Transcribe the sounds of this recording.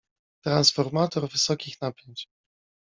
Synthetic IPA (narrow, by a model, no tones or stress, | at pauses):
t̪ɾansfɔɾmat̪ɔɾvɘsɔkʲixnapʲjeɲt͡ɕ